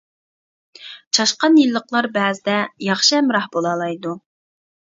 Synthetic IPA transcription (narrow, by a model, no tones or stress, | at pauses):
t͡ʃʰɑʃqɑnjilˠːəqlˠɑɾbɛːzɪd̪ɛjɑχʃiɛmɾɑhbolˠɑːlˠɑjd̪u